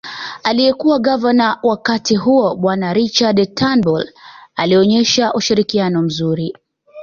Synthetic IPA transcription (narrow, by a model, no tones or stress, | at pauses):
alijɛkuwaɠavanawakatiɦuɔɓwanaɾit͡ʃadtʰanbɔlaliɔɲɛʃaʔuʃiɾikianɔm̩zuɾi